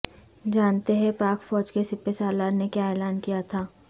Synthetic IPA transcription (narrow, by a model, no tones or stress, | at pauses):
d͡ʒaːnt̪eɦɛ̃paːkfɔːd͡ʒkesɪpesaːlaːɾnekjaɛːlaːnkijat̪ʰaː